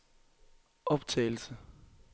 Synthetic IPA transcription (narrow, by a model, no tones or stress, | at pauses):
ʔɒ̽b̥t͡sʰɛ̰ːɪl̩sə